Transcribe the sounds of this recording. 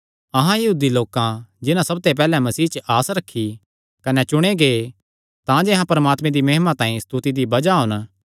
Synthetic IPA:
ɐɦãjɐɦuːd̪iloːkãd͡ʒɪnãsɐb̚t̪ep̬ɛːlɛmɐsiːt͡ʃəʔaːsɾɐkʰːi | kɐnɛt͡ʃʊɽ̃eɡe | t̪ãd͡ʒeːɦãpɐɾəmaːt̪mẽd̪imɐɦɪmãt̪ãːĩst̪ut̪id̪ibɐd͡ʒaɦʊ̃n

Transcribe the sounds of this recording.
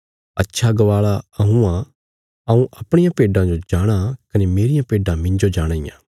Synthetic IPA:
ɐtːʃʰaɡɐʋaːɭaɐɦũã | ɐũʔɐpɽ̃ɪjãpeːɖãd͡ʒod͡ʒaːɽ̃akɐnemeːɾɪjãpeːɖãmɪ̃ɲd͡ʒod͡ʒaːɽ̃aːɪ̰jã̰ː

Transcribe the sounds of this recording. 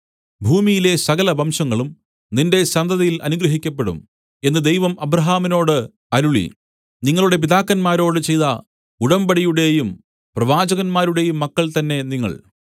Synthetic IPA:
bʱuːmijile̞sɐɣɐlɐbɐmʂɐŋːɐɭum | ninde̞sɐnd̪ɐðɐjilʔɐ̰nuɡɾɐɦikʲːɐpːe̞ɽṵm | e̞nːɨd̪e̞jʋɐmɐbɾɐɦaːmino̞ːɽɨ | ɐɾuɭḭ | niŋːɐɭuɽe̞p̬iðaːkːɐnmaːɾo̞ːɽɨt͡ɕe̞jt̪ɐ | uɽɐmbɐɽijuɽe̞jum | prɐʋaːd͡ʑɐɣɐnmaːɾuɽe̞jumːɐkːɐɭt̪ɐnːe̞niŋːɐ̰ɭ

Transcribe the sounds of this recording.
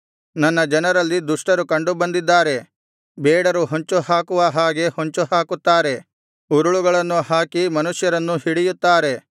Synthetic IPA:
nɐnːɐd͡ʒɐnɐɾɐlːid̪uʂʈɐɾukɐɳɖubɐnd̪id̪ːaːɾe̞ | bɛːɽɐɾuɦoɲt͡ʃuhaːkuʋɐɦaːɡe̞hoɲt͡ʃuhaːkut̪ːaːɾe̞ | uɾuɭuɡɐɭɐnːuhaːkimɐnuʂjɐɾɐnːuhiɽijut̪ːaːɾe̞

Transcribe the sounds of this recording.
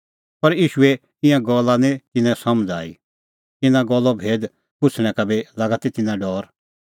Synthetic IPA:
pɐɾiːʃuɛ | ɪ̃jãɡɔlːanẽt̪ɪnɛ̃sɐməd͡za̰ːḭ | t̪ɪnãɡɔlːɔbʱeːd̪ | pʊt͡sʰɽ̃ɛ̃kabelaːɡat̪it̪ɪnãɖɔːɾ

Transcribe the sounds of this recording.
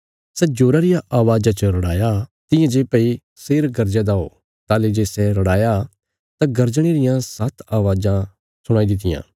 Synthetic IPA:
sɛd͡ʒoːɾaɾɪjãʔaːʋaːd͡ʒãt͡ʃəɾɐɽaːjat̪ɪ̃jãd͡ʒeːpɐi | seːɾɡɐɾd͡ʒɛ̃d̪aɦo̰ː | t̪aːled͡ʒeːsɛɾɐɽaːja | t̪aɡɐɾd͡ʒɽ̃iɾɪjãsɐt̪ʰaːʋaːd͡ʒã | sʊɽ̃aːid̪ɪt̪̬ɪjã̰ː

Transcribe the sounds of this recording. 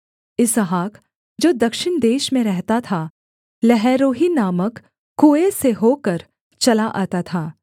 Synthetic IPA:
ɪsɦaːk | d͡ʒoːd̪ɐkʃɪnd̪eːʃmẽɾɛɦt̪at̪ʰa | lɛɦɛːɾoːɦinaːməkː | ueseɦoːkəɾ | t͡ʃɐlaʔa̰ːt̪at̪ʰaː

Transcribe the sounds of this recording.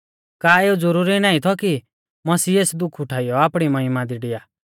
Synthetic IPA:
kaːeːud͡zɔɾuɾinaːĩt̪ʰɔki | mɐsieːsd̪ʊkʰʊʈʰaːijɔaːpɽ̃imɐɦɪmad̪iɖɪjaː

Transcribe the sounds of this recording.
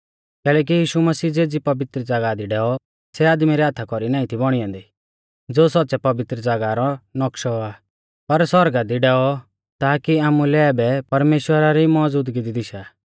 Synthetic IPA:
kɛːlɛːk̬ijiːʃumɐsiːd͡zeːd͡zipɐʋɪt̪ɾəd͡zaɡad̪iɖɛːɔ | sɛaːd̪miɾɛɦat̪ʰːakɔɾinãːĩt̪ʰibɔɽ̃iɔ̃ːnd̪i | d͡zoːsɔt̚ːsɛpɐʋɪt̪ɾəd͡zaɡaɾɔnɔkʃɔaː | pɐɾsɔɾɡad̪iɖɛːɔ | t̪aːkiaːmulɛbɛpɐɾmeːʃwəɾaɾimɔd͡zuːd̪ɡid̪id̪ɪʃa

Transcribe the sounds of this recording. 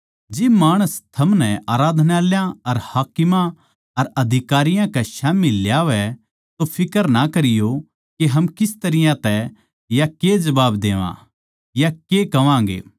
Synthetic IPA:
d͡ʒɪbmaːɽ̃əst̪ʰɐmnɛʔaːɾaːd̪ʱnaːljãɐɾhaːkɪmã | ɐɾɐd̪ʱɪkaːɾɪjãkɛʃaːmiljaːʋɛ | t̪opʰɪkəɾnɐkɐɾɪjo | keɦɐmkɪst̪ɐɾɪjãt̪ɛ | jaked͡ʒɐbaːbd̪eːʋã̰ | jakekɐʋãːɡḛː

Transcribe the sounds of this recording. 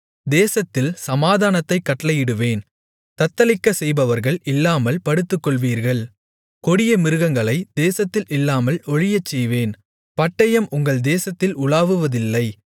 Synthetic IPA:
d̪eːsɐt̪ːɪlsɐmaːðaːnɐt̪ːɐɪkːɐʈːɐlɐjɪɽɯʋeːn | t̪ɐt̪ːɐlɪkːɐsɛjbɐʋɐɾɣɐɭɪlːaːmɐlpɐɽɯt̪ːɯkːɔɭʋiːɾɣɐɭ | kɔɽɪjɐmɪɾɯɣɐŋɡɐɭɐɪd̪̥eːsɐt̪ːɪlʔɪlːaːmɐlɔɻɪjɐt͡ʃːɛjʋeːn | pɐʈːɐjɐmʔʊŋɡɐɭd̪eːsɐt̪ːɪlʊɭaːʋɯʋɐðɪlːɐɪ

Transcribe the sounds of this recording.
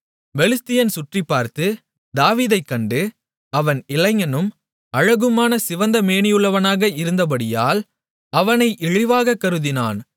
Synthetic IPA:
ʋɛlɪst̪ɪjɐnsʊʈripːaːɾt̪ɯ | d̪aːʋiːðɐɪkːɐɳɖɯ | ɐʋɐnɪlɐŋɐnɯm | ɐɻɐɣɯmaːnɐsɪʋɐnd̪ɐmeːɳɪjɯɭːɐʋɐnaːɣɐɪɾɯnd̪ɐp̬ɐɽɪja̰ːl | ɐʋɐnɐɪʔɪɻɪʋaːɣɐkːɐɾɯðɪna̰ːn

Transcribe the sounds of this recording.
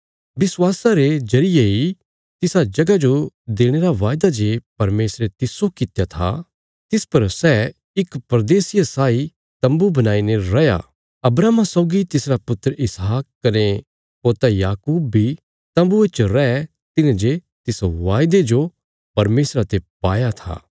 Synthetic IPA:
bɪswaːsaɾed͡ʒɐɾɪjei | t̪ɪsad͡ʒɐɡad͡ʒod̪eːɽ̃eɾaʋaːjd̪ad͡ʒepɐɾmeːsɾet̪ɪsokɪt̪jat̪ʰa̰ | t̪ɪspɐɾsɛ | ɪkpɾɐd̪eːsɪjasaːi | t̪ɐ̃mbubɐnaːineɾɐja̰ | ɐbɾaːmasɔʊɡit̪ɪsɾapʊt̪ɾəɪsɦaːkːɐne | poːt̪ajaːkuːb̚ːʱi | t̪ɐ̃mbuet͡ʃɾɛɛ | t̪ɪnẽd͡ʒe | t̪ɪsʋaːjd̪ed͡ʒo | pɐɾmeːsɾat̪epaːjat̪ʰa̰ː

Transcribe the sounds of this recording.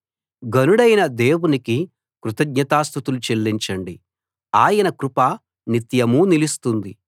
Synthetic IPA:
ɡɐnuɽɐjnɐd̪eːwuniki | kɾut̪ɐɡ̚ɲɐt̪aːst̪ut̪ulut͡ʃelːiɲt͡ʃɐɳɖi | aːjɐnɐkɾupaː | nit̪jɐmuːnilist̪und̪i

